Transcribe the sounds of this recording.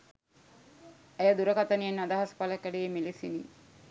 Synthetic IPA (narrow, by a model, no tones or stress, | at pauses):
ejəd̪uɾəkat̪ənijenːad̪aɦaspaləkːæɖejemilisinḭ